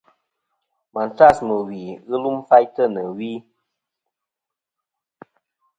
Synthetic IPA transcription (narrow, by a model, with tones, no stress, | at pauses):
ma˨nta˦˨smə˨wi˨ɣɨ˦lu˦mfa˦jtə˦˨nə˨wi˦